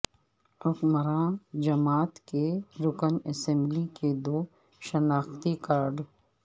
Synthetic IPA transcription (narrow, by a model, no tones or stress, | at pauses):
ɾʊkməɾãːd͡ʒɐmaːt̪keɾʊkənɛsɛ̃mbliked̪oː | ʃənaːxt̪ikaːɾɖ